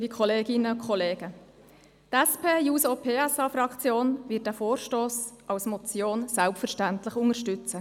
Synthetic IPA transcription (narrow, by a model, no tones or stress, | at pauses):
ɾikʰɔleːɡɪnəʊkχɔleːɡ̥ə | tɛspʰeːjuːsopʰeːɛsɑfɾɑkt͡sjoːnʋɪːt̚d̥æːfoːɾʃtoːsʔɑwsmɔt͡sjoːnsælptfəɾʃtæntlɪχʊŋəɾʃtʏt͡sə